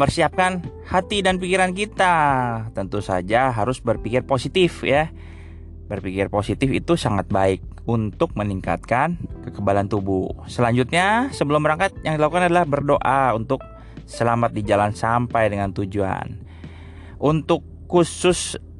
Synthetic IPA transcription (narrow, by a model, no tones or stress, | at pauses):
mpərsiap̚kan | hat̪idanpikiɾank̬it̪at̪ənt̪usa̰d͡ʒaɦaɾʊsbərpikɪrposit̪ɪfja | bərpikɪrposit̪ɪfḭt̪usaŋat̪̚baɪk̚ | unt̪ʊk̚məniŋka̰t̪̚kankəkəbalant̪ubusəlaɲd͡ʒut̪̚ɲasəbəlʊmːəɾaŋkat̪̚jaŋdilakukanadalahbərdoʔaunt̪ʊk̚ | səlamat̪̚did͡ʒalansampajdəŋant̪ud͡ʒua̰n | ʔunt̪ʊkːusʊs